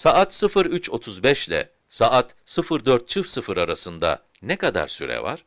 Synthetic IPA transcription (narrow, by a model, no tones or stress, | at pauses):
saat̪sɯfɯɾyt͡ʃʰo̞t̪ʰuzbɛʃlʲɛ̰ | saʔat̪ | sɯfɯɾd̪øɾt̪̚t͡ʃʰɯfsɯfɯɾaɾasɯnd̪a̰ | nɛkad̪a̰ɾsyɾɛ̰va̰ɾ̥